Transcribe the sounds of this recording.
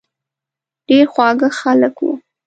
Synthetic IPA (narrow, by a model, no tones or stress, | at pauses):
ɖ̥eɾxwɑɡəxaləkwṵ